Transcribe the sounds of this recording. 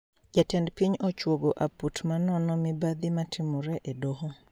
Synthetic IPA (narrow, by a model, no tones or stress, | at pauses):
d͡ʒatɛndpiɲɔt͡ʃwoɡoʔaputmanɔnɔmɪbad̪ɪmatʰɪmʊɾɛʔedoɦɔ